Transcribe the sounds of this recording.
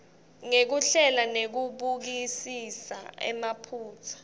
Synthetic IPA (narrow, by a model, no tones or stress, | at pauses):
ŋek̬uɬɛlanek̬uɓuk̬isisa̰ɛ̰mapʰuːt͡sʰḁ